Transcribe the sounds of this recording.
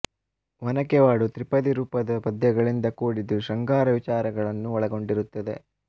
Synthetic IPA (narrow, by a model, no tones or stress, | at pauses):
ʋɐnɐkɛʋaːɽut̪ɾipɐd̪iɾuːpɐd̪ɐpɐd̪jɐɡɐɭind̪ɐkuːɽid̪uʃɐŋɡaːɾɐʋit͡ʃaːɾɐɡɐɭɐnːuɔɭɐɡo̞ɳɖiɾut̪ːɐd̪e̞̰